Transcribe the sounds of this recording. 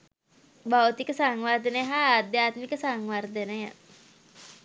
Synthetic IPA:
baut̪ikəsaŋward̪eneɦad̪eat̪̚mikəsaŋward̪enaja

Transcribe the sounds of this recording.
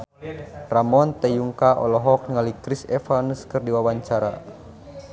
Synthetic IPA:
ramɔnt̪ɛjuŋkaʔɔ̰lɔɦɔk̚ŋalikɾisɛfanuskɨrdiwawaɲt͡ʃaɾa̰

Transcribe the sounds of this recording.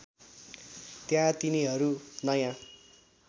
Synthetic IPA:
t̪jãt̪iniɦʌɾunʌjã

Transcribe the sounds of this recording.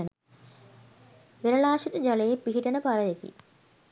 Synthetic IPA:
n | ʋeɾɐlaːʃit̪əd͡ʒalejepːiɦiʈənəpaɾəjekḭ

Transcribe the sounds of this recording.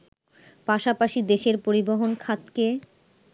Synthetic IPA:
paʃapaʃid̪eʃeɾpoɾiboɦonkʰat̪ke

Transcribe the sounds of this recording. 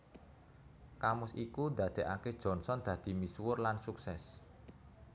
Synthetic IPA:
kamʊsikud̪ä̤d̪̥e̤ʔaked̥ʒ̥ɔ̤nsɔnd̪̥ä̤d̪̥i̤miswʊrlansuksɛs

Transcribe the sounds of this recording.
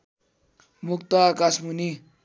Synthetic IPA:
mukt̪aːkasmuni

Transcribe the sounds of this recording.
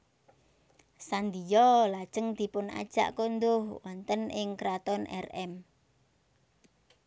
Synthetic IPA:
sand̪ijɔlad̥ʒ̥əŋd̪̥i̤pʊna̰d̥ʒ̥a̰ʔkond̪ʊhwɔnt̪ənɪŋkɾat̪ɔnʔɛ̰rɛm

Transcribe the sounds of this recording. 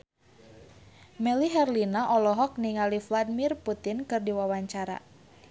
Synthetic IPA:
mɛliɦɛrlinaʔɔlɔɦɔk̚niŋalifladimirput̪ɪnkɨrdiwawaɲt͡ʃaɾa̰

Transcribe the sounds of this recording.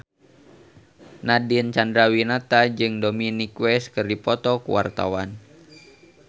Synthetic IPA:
nadint͡ʃandɾawinat̪ad͡ʒɨŋdominikwɛskɨrdipɔt̪ɔkṵwa̰rt̪a̰wan

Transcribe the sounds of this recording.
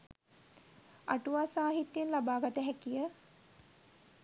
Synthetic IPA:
aʈuʋaːsaːɦit̪jenlabaːɡat̪əɦækijə

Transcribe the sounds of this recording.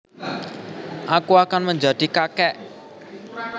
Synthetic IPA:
ʔakuakanməɲd͡ʒad̪̥i̤kakɛʔ

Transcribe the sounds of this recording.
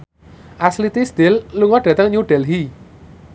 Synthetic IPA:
ʔaslit̪isd̪̥elːuŋɔɖ̥a̤t̪əŋɲuɖ̥ɛlɦi

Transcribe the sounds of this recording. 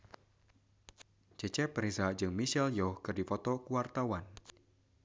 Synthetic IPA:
d͡ʒ̥ɛt͡ʃɛpɾizad͡ʒɨŋmiʃɛljɔhkɨrdifɔt̪ɔkuwart̪awan

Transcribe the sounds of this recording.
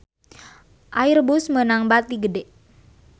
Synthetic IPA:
ʔairbusmənaŋbat̪iɡədɛ

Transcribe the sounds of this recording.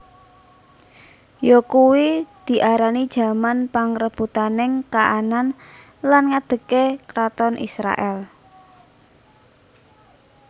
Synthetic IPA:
jɔkuwid̪̥i̤ʔaɾanid̥ʒ̥a̤manpaŋɾəb̥ut̪anɪŋkaʔanan | lanŋad̪̥ə̤kekɾat̪ɔnʔḭsɾa̰ʔɛl

